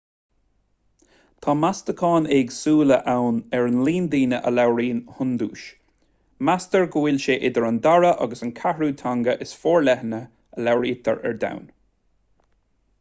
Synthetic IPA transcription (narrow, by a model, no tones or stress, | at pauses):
t̪ʰɑːmast̪əkʰɑːneːɡsuːlə̰ʔawnɛɹənliːnd̪iːnəʔə̰lawɹiːnhʊnd̪ṵːʃ | mast̪əɹɡəwɪlʃeːʔɪd̪əɹand̪aɹəʔa̰ɡəsənkʰahɹuːt̪ʰaŋɡəʔɪsfoːɹlɛhənə | əlawɹiːt̪ʰə̰ɹɛ̰ɹd̪a̰wn